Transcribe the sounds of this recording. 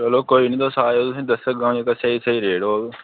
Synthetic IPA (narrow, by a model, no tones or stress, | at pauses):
t͡ʃəloːkoːiːnĩːt̪oːsaːoːt̪ʊsĩːd̪əsəɡãːẽːkəsʰəiːsəiːɾeːɽoː